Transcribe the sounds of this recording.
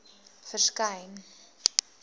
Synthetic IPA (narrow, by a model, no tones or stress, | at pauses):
fərskɐjn